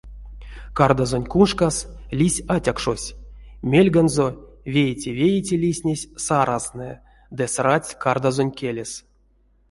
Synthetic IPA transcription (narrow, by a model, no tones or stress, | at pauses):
kard̪azonʲkunʂkaslʲisʲatʲakʂosʲmʲelʲɡanzovʲejtʲivʲejitʲilʲisʲnʲesʲsaɾʔaznɨ | d̪ɨsrat͡sʲkard̪azonʲkʲelʲes